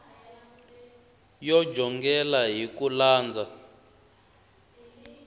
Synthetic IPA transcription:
jɔd͡ʒʱɔŋɡɛlaɦikulaːnd͡zʱa

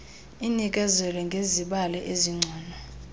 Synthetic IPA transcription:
inik̬ʼɛzɛlɛŋɡʱeziɓalɛʔeziŋ͡ǀʱɔːna

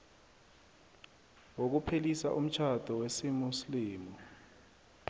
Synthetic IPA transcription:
wok̬upʰelisa̰ʔum̩t͡ʃʰad̥ʱɔwesimusliːmɔ

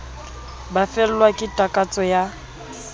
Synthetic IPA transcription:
bafɛl̩lwakʼɪtʼakʼat͡sʼɔja

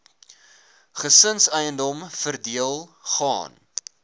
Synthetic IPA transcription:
χəsənsəjəndɔmfərdiəlˠχɑ̰ːn

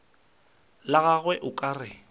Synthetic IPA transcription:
laɣaɣwɛʔʊkʼaːrɪ

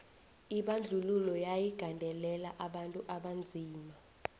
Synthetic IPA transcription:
iɓand͡ɮʱululɔjajiɡ̥ʱandʱɛlɛlaʔaɓantʼuʔaɓand͡zʱiːma

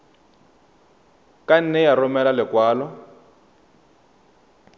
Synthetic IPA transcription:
kan̩nɛjarɔmɛlalɪkwaːlɔ

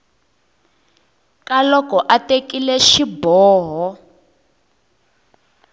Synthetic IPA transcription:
kalɔkɔʔatekilɛʃibɔːɦɔ

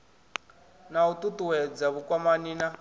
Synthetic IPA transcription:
naututuwɛd͡zaβukʼwamaniːna

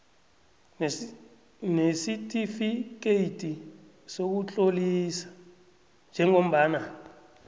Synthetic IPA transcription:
nesitʼifik̬ejtʼi | sok̬ut͡ɬʼolisḁ | nd͡ʒʱɛŋom̩ɓaːna

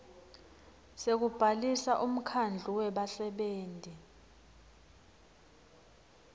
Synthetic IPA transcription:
sek̬ub̥ʱalisaʔum̩kʰand͡ɮʱuwɛɓasɛɓeːntʼi

